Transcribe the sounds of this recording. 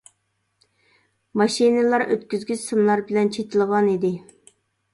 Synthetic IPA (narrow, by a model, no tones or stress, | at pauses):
mɑʃinɨlˠɑɾø̰t̪̚kʲyzɡʲysɨmlˠɑɾbɪlɛnt͡ʃʰet̪ʰɪlˠɨʁɑnid̪ɪ